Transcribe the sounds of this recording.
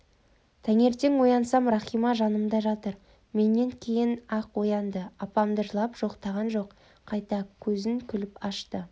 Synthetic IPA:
t̪ʰæŋe̞ɾt̪e̞ŋwo̞jɑnsɑmrɑχijmɑʒɑnəmd̪ɑʒɑt̪əɾ | me̞nːe̞ŋkʲʰe̞jɪnɑqwo̞jɑnd̪əɑpɑmd̪əʒlˠɑpʒ̥o̞qt̪ɑʁɑnʒo̞qʰː | ɑjt̪ɑkʲʰɵzɪŋkʲʰʏlɪpɑʃt̪ə

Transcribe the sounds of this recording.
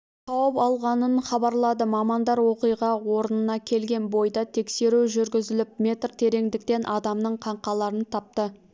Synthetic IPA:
qʰɑwəpɑlˠʁɑnənχɑbɑɾlˠɑd̪əmɑmɑnd̪ɑɾwo̞qijʁɑwo̞ɾənənɑkʲʰe̞lɡʲe̞nbo̞jd̪ɑt̪ʰe̞kse̞ɾuʒʏɾɡʲɪzɪlɪp̚mʲe̞t̪rt̪ʰe̞ɾe̞ŋd̪ɪkt̪e̞nʔɑd̪ɑmnəɴqʰɑɴqɑlˠɑɾənt̪ʰɑp̚t̪ə

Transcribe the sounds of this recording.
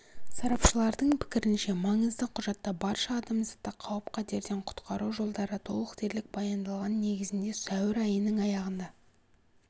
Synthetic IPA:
sɑɾɑpʃəlˠɑɾd̪əɴpʰɪ̥kʲɪɾɪnʃe̞mɑɴəzd̪əqʰʊʒɑt̪ːɑbɑɾʃɑːd̪ɑmzəqt̪ːɑqʰɑwəpqʰɑd̪ʰe̞ɾd̪e̞ɴqʰʊ̥t̪qʰɑɾuʒo̞lˠd̪ɑɾət̪ʰo̞̰lˠəqt̪ʰe̞ɾlɪk̚bɑjɑnd̪ɑlˠʁɑnne̞ɡʲɪzɪnd̪e̞sœwɪɾɑjənəŋɑjɑʁənd̪ɑ

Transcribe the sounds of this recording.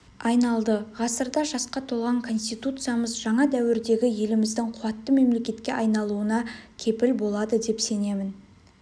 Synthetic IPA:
ɑjnɑlˠd̪əʁɑsəɾd̪ɑʒɑsqɑt̪ʰo̞lˠʁɑŋkʰo̞nst̪ijt̪ut̪sɨjaməzʒɑɴɑd̪æwɪɾd̪e̞ɡʲɪje̞lɪmɪzd̪ɪŋqʰuɑt̪ːəme̞mle̞kʲe̞t̪kʲe̞ʔɑjnɑlˠuənɑkʲʰe̞pɪlbo̞lˠɑd̪əd̪e̞pse̞ne̞mɪn

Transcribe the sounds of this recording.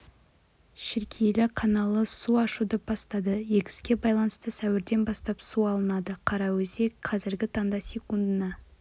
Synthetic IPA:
ʃɪɾkʲʰejlɪkʰɑnɑlˠəsuɑʃud̪əp̚b̥ɑst̪ɑd̪əje̞kʲɪ̥skʲe̞bɑjlˠɑnəst̪əsæwɪɾd̪e̞nbɑst̪ɑpsuɑlˠənɑd̪əqʰɑɾɑwɵse̞kqʰɑzɪɾɡʲɪt̪ʰɑɴd̪ɑsʲe̞kund̪ənɑ

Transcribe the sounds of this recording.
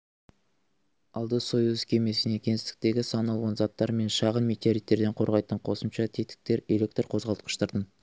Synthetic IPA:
ɑlˠd̪əsojuzkʲʰe̞me̞sɪne̞kʲʰe̞nɪst̪ɪ̥k̚t̪e̞ɡʲɪsɑnɑlˠʁɑnzɑt̪ːɑɾme̞nʃɑʁənmet̪eaɾit̪ːe̞ɾd̪e̞ɴqʰo̞ɾʁɑjt̪əɴqʰo̞səmʃɑt̪ʰet̪ɪ̥k̚t̪e̞ɾe̞le̞k̚t̪rqʰo̞zʁɑlˠt̪qə̥ʃt̪əɾd̪ən

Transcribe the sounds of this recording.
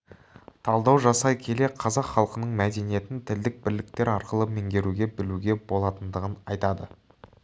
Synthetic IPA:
t̪ʰɑlˠd̪ɑwʒɑsɑjkʲʰe̞le̞qʰɑzɑqχɑlˠqənəɴmæd̪e̞nije̞t̪ɪnt̪ʰɪld̪ɪk̚bɪɾlɪk̚t̪e̞ɾɑɾqəlˠəmeŋɡʲe̞ɾuɡʲe̞bɪluɡʲe̞bo̞lˠɑt̪ənd̪əʁənɑ̰jt̪ɑd̪ə

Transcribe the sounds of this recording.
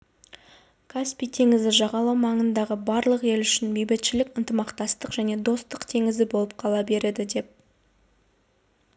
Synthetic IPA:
kʰaspʲijt̪ʰe̞ŋɪzɪʒɑʁɑlˠɑwmɑɴənd̪ɑʁəbɑɾlˠəqe̞lʏʃɪnbejbɪt̪ʃɪlɪkənt̪əmɑqt̪ɑst̪əqʒ̥æne̞d̪o̞st̪əqt̪ʰe̞ŋɪzɪbo̞lˠəp̚qʰɑlˠɑbe̞ɾe̞d̪ɪd̪e̞p̚

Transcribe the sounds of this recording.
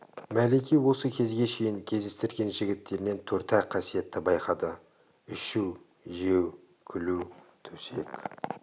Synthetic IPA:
mæle̞kʲijwo̞səkʲʰe̞zɡʲe̞ʃe̞jɪŋkʲʰe̞zd̪e̞st̪ɪɾɡʲe̞nʒɪɡʲɪt̪ːe̞ɾɪne̞nt̪ʰɵɾt̪æqʰɑsije̞t̪ːɪbɑjqɑd̪ə | ʏʃuw | ʒe̞w | kʲʰɪlut̪ʰɵ̥se̞k

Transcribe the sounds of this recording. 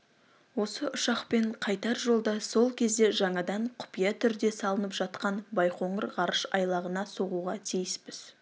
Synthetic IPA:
wo̞səʔʊʃɑqpe̞ɴqʰɑjt̪ɑɾʒo̞lˠd̪ɑso̞lˠkʲʰe̞zd̪e̞ʒɑɴɑd̪ɑɴqʰʊ̥pijɑt̪ʰʏɾd̪e̞sɑlˠənəpʒ̥ɑt̪̚qɑnbɑjqʰo̞ɴəɾʁɑɾəʃɑ̰jlˠɑʁənɑso̞ʁuʁɑt̪ʰijɪspɪz̥

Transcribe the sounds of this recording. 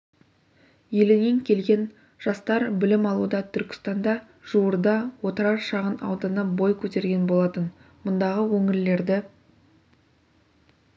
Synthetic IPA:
je̞lɪneŋkʲʰe̞lɡʲe̞n | ʒ̥ɑst̪ɑɾbɪlɪmɑlˠud̪ɑt̪ʰʏɾkʲɪ̥st̪ɑnd̪ɑ | ʒ̥uwəɾd̪ɑwo̞t̪əɾɑɾʃɑʁənɑ̰wd̪ɑnəbo̞jkʲʰɵt̪e̞ɾɡʲe̞nbo̞lˠɑt̪ən | mʊnd̪ɑʁəwɵŋɪɾle̞ɾd̪ɪ

